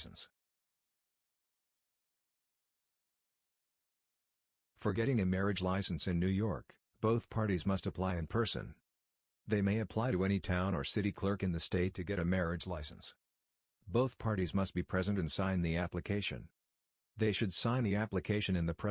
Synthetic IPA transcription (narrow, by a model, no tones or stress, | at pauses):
sn̩s | fə˞ɡɛɾɪ̃ŋɨmɛɹɨd͡ʒlaɪsn̩sɨ̃nːʉjɔɹk | b̥oʊθpʰɑɹɾizmʌstəpʰl̥aɪɨ̃npʰɜ˞sɨ̰̃n | ðeɪmeɪɨpʰl̥aɪɾɨɛñitʰãʊ̃nə̰˞sɪɾikʰl̥ɜ˞kɨ̃nðɨsteɪtʰɨɡɛɾɨmɛɹɨd͡ʒlaɪsn̩s | b̥oʊθpʰɑɹɾizmʌst̚b̥ipʰɹ̥ɛzɨ̃ntɨ̃nsãɪ̃nðiæplɨkʰeɪʃɨ̰̃n | ðeɪʃɨd̥sãɪ̃nðiæplɨkʰeɪʃɨ̃nɨ̃nðɨpʰɛ